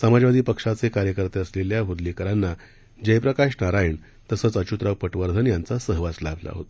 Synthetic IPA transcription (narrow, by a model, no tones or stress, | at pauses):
samad͡ʑʋad̪ʱiːpəkʂat͡sekaɾjəkəɾt̪eəsleljaɦud̪likəɾanːa | d͡ʑəjpɾəkaʂnaɾajiɳ | t̪əsət͡sət͡ɕut̪ɾaʋpəʈʋəɾd̪ʱənjant͡sasəɦʋat͡slabʱla̰ɦot̪